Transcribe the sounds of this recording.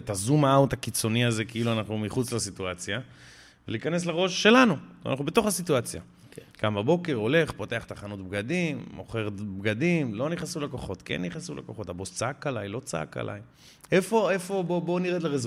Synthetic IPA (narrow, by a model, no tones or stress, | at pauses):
t̪azumaaut̪akit͡so̞niazekiiluanaχnumiχut͡slasituat͡sja | veliːkane̞s̬laʁo̞ʃːe̞lanṵnaχnube̞t̪o̞χasit̪uat͡sja̰ | ɡ̥ambabo̞ke̞ʁo̞le̞χpo̞t̪e̞aχt̪aχanut̪̚bɡadimːoχeʁtbɡad̪imlo̞niχnasulako̞χo̞t̪kḛnːiχnasula̰koχo̞tabost͡saakalajlo̞t͡saa̰ka̰la̰j | efo̞e̞fo̞bobo̞niʁet̪leʁez